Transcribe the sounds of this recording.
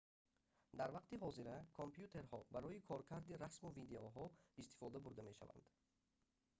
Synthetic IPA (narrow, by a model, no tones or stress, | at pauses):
d̪aɾvaqt̪iɦɔziɾakʰompjut̪ʰe̞ɾhɔbaɾɔikʰɔɾkʰaɾd̪iɾasmuvid̪eoɦɔist̪i̥fɔd̪abuɾd̪ame̞ʃa̰va̰nd̪̥